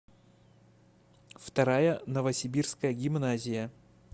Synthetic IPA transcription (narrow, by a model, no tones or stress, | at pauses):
ft̪ɐɾajənəvəsʲɪbʲirskəjəɡʲɪmnazʲɪjə